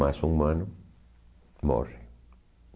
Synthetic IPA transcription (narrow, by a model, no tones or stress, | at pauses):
asuŋmãnʊ | mo̰re